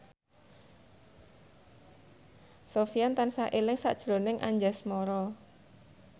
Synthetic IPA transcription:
sofijant̪ansaʔelɪŋsa̰ʔd̥ʒ̥ɾo̤nɪŋʔa̰ɲd͡ʒasmɔɾɔ

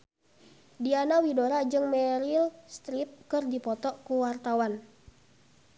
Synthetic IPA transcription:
dianawidoɾad͡ʒɨŋmɛɾilst̪ɾip̚kɨrdipɔt̪ɔkuwart̪awan

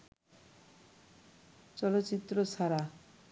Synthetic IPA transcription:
t͡ʃɔlot̪ːt͡ʃit̪ːɾosaɾa

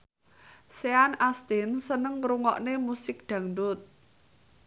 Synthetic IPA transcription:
seanast̪ɪnsənəŋɾuŋɔ̰ʔnemusɪk̚d̪̥ä̤ŋd̪ʊt̪̚

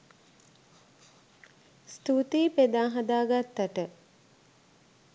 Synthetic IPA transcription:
st̪ut̪iːped̪aːɦad̪aːɡat̪ːaʈə

